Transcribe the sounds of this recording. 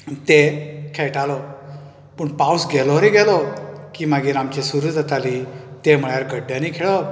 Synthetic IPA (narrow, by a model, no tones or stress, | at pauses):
t̪ekʰeɭʈalɔ | pəɳpawsɡʱelɔɾeɡɛlɔkiːmaɡiːɾamt͡ɕesuɾud͡z̪ət̪aliːt̪em̤əɭjaɾɡəɖːjãniːkʰeɭɔ